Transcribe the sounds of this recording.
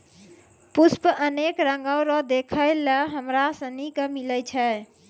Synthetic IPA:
puspəʔənekɾəŋɡəwɾɔd̪ekʰəɪləɦəmɾasə̃nikəmiləjt͡ʃʰɛ

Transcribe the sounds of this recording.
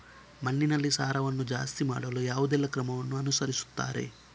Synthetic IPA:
mɐnːinɐlːisaːɾɐʋɐnːud͡ʒa̰ːst̪imaːɽɐlujaːʋud̪ɛlːɐkɾɐmɐʋɐnːuɐnusɐɾisu̥t̪ːa̰ːɾe̞̰

